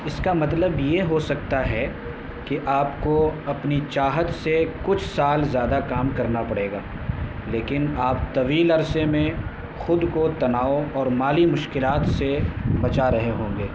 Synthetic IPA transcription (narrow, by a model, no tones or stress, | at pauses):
ɪskamɐt̪ləbjeɦosɐk̚t̪aɦɛ | kiʔaːpkoɐpnit͡ʃaːɦət̪sekʊt͡ʃʰsaːlzjaːd̪akaːmkɐɾnapɐɽeːɡaː | leːkɪnaːpt̪ɐʋiːlɐɾsemẽ | xʊd̪kot̪ɐnaːoɔːɾmaːlimʊʃkɪlaːt̪sebɐt͡ʃaɾɐɦeɦõːŋɡeː